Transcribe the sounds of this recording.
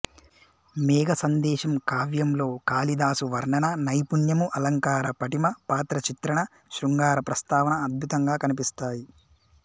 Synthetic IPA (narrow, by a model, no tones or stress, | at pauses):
mɛːɡɐsɐnd̪ɛːʃɐmkaːʋjɐmlo̞ːkaːlid̪aːsuʋɐɾɳɐnɐnɐjpuɳjɐmuʔɐlɐŋkaːɾɐpɐʈimɐpaːt̪ɾɐt͡ʃit̪ɾɐɳɐ | ʃɾuŋɡaːɾɐpɾɐst̪aːʋɐnɐːd̪̚bʱut̪ɐŋɡaːkɐnipist̪aːji